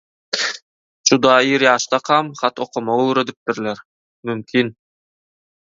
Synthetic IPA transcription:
d͡ʒud̪ɑiɾɑʃt̪ɑqʰɑmχɑt̪oqomoɾød̪yp̚t̪iɾleɾ | mymkʰin

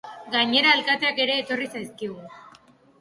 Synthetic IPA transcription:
ɡaɲe̞ɾaelkat̪e̞ake̞ɾe̞ːt̪o̞risajskiɣu

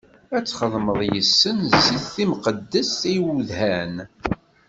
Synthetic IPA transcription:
æt͡sːχəðˤməðˤjəsːənziðθimqəd̪ːəsiwuðhæn

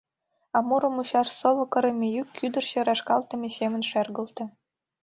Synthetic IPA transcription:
ɑmuɾɤ̆muɕɑʂsoβɤ̆kɤ̆ɾĕmʲejykʰːyd̪ə̆rɕĕɾɑʃkɑlˠt̪ɤ̆mʲesemə̆nʃerɣə̆lt̪ɤ̆

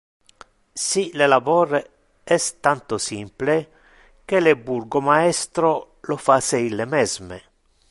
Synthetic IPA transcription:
silelavɔːɾe | ɛst̪ant̪osimple | k̟eleburɡomaɛst̪ɾo | lofaseilːemɛzme

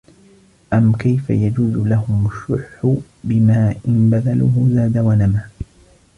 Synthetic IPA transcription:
ʔamkajfa̰jad͡ʒuːzʊlaɦʊmʊʃːʊħħʊ | bɪmaːʔɪnbaðalʊhʊzaːd̪awanamaː

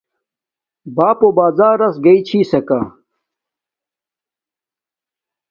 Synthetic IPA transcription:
baːpobaːd͡zaːɾɐsɡɐit͡ɕʰiːsɐka

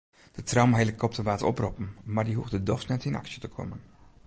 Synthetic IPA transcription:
d̥ətrawmɦɛjləkʰːɔp̚təʋaːtɔ̰prɔpn̩mardiɦuxdədɔxsnɛtinɑ̰ksjətəkʰɔ̰mən

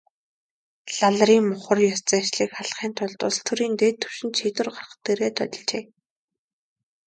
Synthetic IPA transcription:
ɮaɮriːŋmʊχə̆rjɔst͡sæːt͡ɕɮiːkχaɮχiːnt̪ʰʊɮt̪ʊ̰ːst̪ʰɵɾiːnt̪eːt̪ʰːɵ̥wʃɪ̆nt̪ʃit̪wɘ̆rɢar̆χt̪ːeɾeːt̪ʰœ̰t̪ʲɞ̆ɮt͡ɕeː

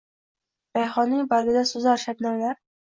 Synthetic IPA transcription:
bajχɒnːɪŋʲbaɾɡʲɪd̪asʊzɒɾʃab̪nawlaɾ

